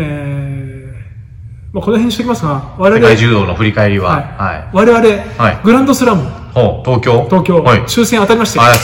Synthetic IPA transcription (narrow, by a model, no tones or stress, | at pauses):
eː | mako̞noɦeɲːit̪ekʲimasɨɡaβaɾeɾeaiʑɨːd̪o̞ːnoɸɯ̟ɾʲikaeɾʲiβa̰aiha̰ḭβaɾe̞βaɾe̞haiɡɯ̟ɾãnd̪o̞sɨɾamɯ | hot̪oːkʲo̞ːt̪o̞ːkʲo̞ːhit͡ɕɨːsẽɰ̃at̪aɾʲimaɕi̥t̪e